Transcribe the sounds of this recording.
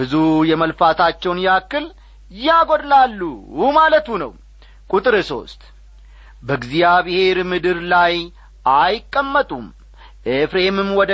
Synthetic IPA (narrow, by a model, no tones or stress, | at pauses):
bɨzujɛməlfat̪ʰat͡ʃːɛwnjakːɨl | jaɡod̪lalːumalət̪unəw | kʼut̪ʼɨɾɨso̞̰st̪ʼ | bəɡzijaβɨhe̞ɾmɨd̪ɨɾlaj | ʔajɪkʼːəmːət̪ʼum | ʔefɾeemɨmwɔd̪